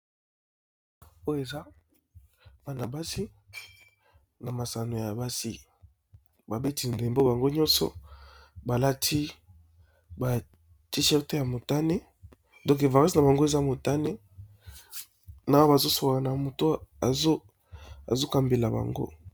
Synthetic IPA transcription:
o˦jo˦e˨za˦ | ba˨na˨ba˦si˦ | na˨ma˨sa˨no˨ja˨ba˦sḭ˦ | ba˨be˦ti˨n˨de˨mbo˦ba˨ŋɡo˦ɲɔ̃˦sɔ̰˨ | ba˨la˦tʰi˦ | ba˨ | ti˦ʃɛ˦te˦ja˨mo˨ta˦ne˦ | dɔ̃˦k̬e˨va˨ʁi˦sna˨ba˨ŋɡo˦e˨za˦mo˨ta˦ne˦ | na˨˦ba˨zo˦so˨a˨na˨mo˨to˦a˨zo˦ | a̰˨zo˦ka˨mbe˨la˨ba̰˨ŋɡo̰˦

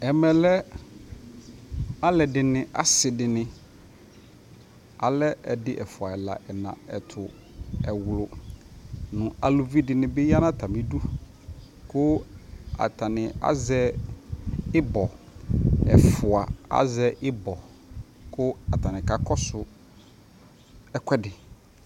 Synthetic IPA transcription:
ɛ˨mɛ̃˨lɛ˦ | a˦lɛ˨dɪ˨nɪ̃˨ʔa̰˨sɪ˨dɪ˨nɪ̃˨ | a˨lɛ˦ɛ˨dɪ˦ʔɛ˨fʊ˨a˨ɛ˨la̰˨ʔɛ˨nã̰˨ɛ˨tʰʊ˨ | ɛ˨wlʊ˨ | nʊ̃˨a˨lʊ˨vi˦dɪ˨nɪ̃˨bɪ˦ja˦nã˦t̪ʰa˨mɪ̃˦du˦ | kʊ˦a̰˨tʰa˨nɪ̃˨a̰˦zɛ˦ | ɪ˦bɔ˨ | ɛ̰˨fʊ˨a˨a̰˦zɛ˦ʔɪ˦bɔ˨ | kʰʊ˦a˨tʰa˨nɪ̃˨ka˨kʰɔ˦sʊ˦ | ɛ˦kʷʰɛ˦dɪ˨

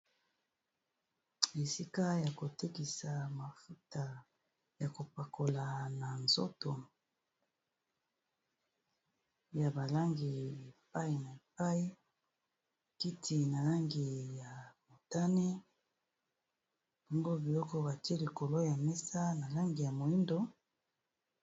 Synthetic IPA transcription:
e˨si˦ka˦ja˨ko˨te˦ki˨sa˨ma˨fu˦ta˨ | ja˨ko˨pa˨ko˨la˨na˨nzo̰˦to˨ | ja˨ba˨la˦ŋɡi˨e˨p̚a˦i˨na˨e˨p̚a˦i˦ | ki˦tʰi˨na˨la˦ŋɡi˨ja˨mo˨ta˦ne˦ | bɔ˦ŋɡo˦bi˨lɔ˦kɔ˦ba˨ti˦e˦li˨ko˨lo˦ja˨mɛ˦sa˦na˨la˦ŋɡi˨ja˨mo˨i˦ndo˦

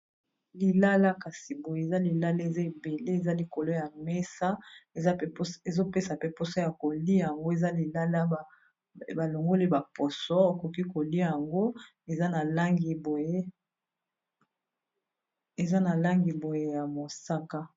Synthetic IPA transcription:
li˨la˦la˦ka˨si˨bo˨je˦˨za˦li˨la˦le˦e˨za˦e˨be˨le˦e˨za˦li˨ko˨lo˦ja˨me˦sa˦e˨za˦e˨zo˦pe˦sa˨pe˦po˦sɔ˦ja˨ko˨li˦a˨ja˨ŋɡo˦e˨za˦li˨la˦la˦˨ | ba˨lo˨ŋɡo˦li˦ba˨po˨sɔ˦o˨ko˨ki˦ko˨li˦a˨ja˨ŋɡo˦ | e˨za˦na˨la˦ŋɡi˨bo˨je˦ | e˨za˦na˨la˦ŋɡi˨bo˨je˦ja˨mo˨sa˦ka˦

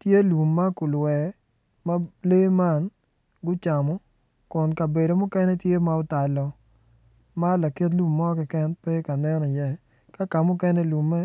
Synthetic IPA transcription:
tje˦lu˨mːa˦kʊ˨lwɛ˨ | ma˦le˦ma˦˨n | ɡʊ˦t͡ʃa˨mɔ˨˦ | kʊ˨nka˨be˨do˨mʊ˦kɛ˦nɛ˦tje˦ma˦ʊ˦ta˨lɔ˨ | ma˦la˨ke˦t̬lu˦mːɔ˦kɛ˨kɛ˦npe˦ka˨nɛ˦nɔ˨jɛ˦˨ | ka˦ka˨mʊ˦kɛ˦nɛ˦lu˨mːɛ˦

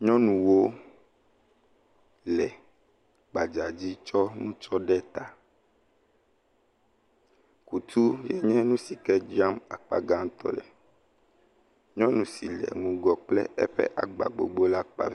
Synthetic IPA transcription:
ɲɔ̃˦nũ˨wo˦ | lɛ˨ | ɡ͡ba˨d͡ʒa˨d͡ʑi˦t͡ʃɔ˦nũ˦t͡ʃɔ˦ɖɛ˦t̪a˨ | ku˨t̪ʰu˦jɛ˦ɲɛ̃˦nũ˦si˨kɛ˦d͡ʒi˦a˦ma˨k͡pa̰˨ɡa˦ŋ˦t̪ɔ̰˦˨lɛ˨ | ɲɔ̃˦nũ˨si˨lɛ̰˨ŋũ˨ɡɔ˨k͡plɛ̰˦ɛ̰˦ɸɛ̰˦ʔa˨ɡ͡ba̰˨ɡ͡bo̰˨ɡ͡bo˦la˦k͡pa̰˨

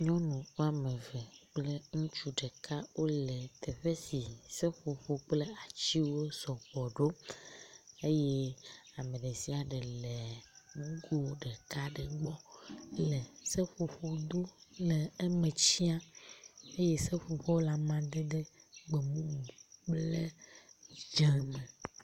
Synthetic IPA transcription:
ɲɔ̃˦nũ˨wo˦a˨mẽ˨vɛ˨k͡ple˦ŋũ˦t͡ʃu˦ɖɛ˨kʰa˦wo˦le˨t̪e˨ɸe˦si˨se˦ɸo˨ɸo˨k͡ple˦a˨t͡ɕi˦wo˦sɔ˨ɸɔ˨ɖo˦ | e˦je˦a˨mẽ˨ɖe˨si˦a˨ɖe˨le˨ŋũ˦ɡo˦˨˦ɖɛ˨ka˦ɖe˨ɡ͡bɔ˦lɛ˨se˦ɸo˨ɸo˨d̪o˦le˨ɛ˦mẽ˨t͡ɕi˦a˦ | e˦je˦se˦ɸo˨ɸɔ˦la˨mã˨d̪e˦ɖe˦ɡ͡be˨mũ˦mu˨k͡ple˦ | d͡ʒɛ˨me˨

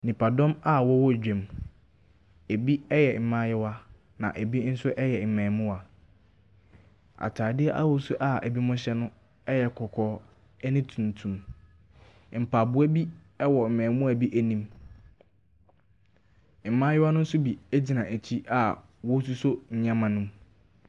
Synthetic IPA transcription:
nĩ˨pʰa˨dɔ̃˦ma˦wɔ˦wɔ˦˨d͡ʑᶣɛ̃˨m | e˨bi˦ɛ˦jɛ˨m̩˨mã˦jɪ˦wa˦ | nã̰˨ʔe˨bi˦n̩˦sʊ˦ʔɛ˦jɛ˨m̩˨mɛ̃ː˨mʊ̃˦a˨ | a̰˨tʰaː˨dɪ˦ɛ˦ʔa̰˦wɔ˨˦sʊ˦ʔa˨æ˨bi˦mʊ̃˦ɕɛ˦nʊ̃˦ | ɛ˦jɛ˨kʰɔ˨kʰɔː˨˦ | ɛ˦nɪ̃˦tʰũ˨n˨tʰũ˨m | m̩˨pʰa˨bʊ˦æ˦bi˦ | ɛ˦wɔ˨m̩˨mɛ̃˨˦mʊ̃˦æ˨bi˦ʔæ˨nĩ˦m | m̩˨mã˦jɪ˦wa˦nʊ̃˦n̩˦sʊ˦bi˨æ˦d͡ʑi˨nã˨ʔæ˨t͡ɕʰi˦ʔa˨ | wɔ˦s̬u˦so˦ɲ̩˨ɲã˦mã˨nũ˦m

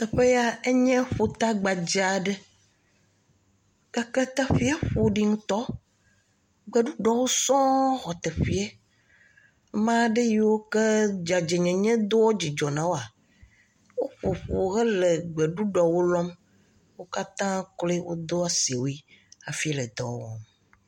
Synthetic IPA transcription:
ɛ˨ɸe˦ja˦e˦ɲɛ̃˦ɸo˨t̪a˦ɡ͡ba˨d͡ʒa˨ɖɛ˦ | ɡ̥a˨ke˦t̪a˦ɸi˦a˦ɸo˨ɖi˦ŋũ˦t̪ɔ˦ | ɡ͡be˨ɖu˦ɖɔ˨wo˦sɔ̃˦xɔ˨t̪e˨ɸi˦ɛ˦ | mã˦ɖe˦ji˦wo˦ke˦d͡ʒa˨d͡ʒe˨ɲɛ̃˨ɲɛ̃˦d̪o˦wo˦d͡ʑi˨d͡ʒɔ˨nã˨wo˦a˨ | wo˦ɸo˨ɸo˨ɣe˦le˨ɡ͡be˨ɖu˦ɖɔ˨wo˦lɔ̃˦m | wo˦ka˦t̪ã˦kle˦wʔo̰˦d̪o˦a˦si˨wo˨˦i˦a˨fi˦le˨d̪ɔ̰˨wɔ̰˨m

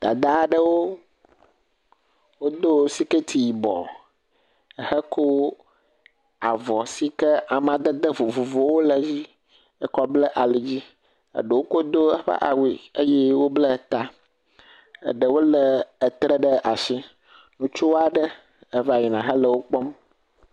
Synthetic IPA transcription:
d̪̥a̰˨d̪a˦˨ɖə˦wo˦ | wo˦d̪o˦si˦ke˦t̪ʰi˨ji˨bɔ̰˨ | ə˨hə˦ko˦ | a˨vɔ˨si˦kə˦a˨mã˨d̪ə˦d̪ə˦vo˨vo˨vo˨wo˦lə˨d͡ʑi˦ | ə˦kɔ˦blə˦ʔa˨le˨d͡ʑi˦ | ə̰˨ɖə˨wo˦ko˦d̪o˦ə˦ɸɛ̰˦ʔa̰˨wi˨ə˦jɛ˦wo˦blə˦˨t̪a˦ | ə̰˨ɖə˨wo˦lə˨ə˨t̪ɾə˦ɖə˦ʔa˨ʃi˦ | nũ˦t͡ʃu˦wa˨ɖə˦ | ə˦va˦˨ji˨nã˨ɦə˦lə˨wo˦k͡pɔ˦m

